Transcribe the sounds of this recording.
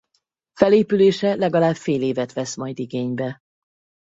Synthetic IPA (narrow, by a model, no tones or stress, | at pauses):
fɛleːpyleːʃɛlɛɡɒlaːbfeːleːvɛt̪ʋɛsmɒjd̪iɡeːɲbɛ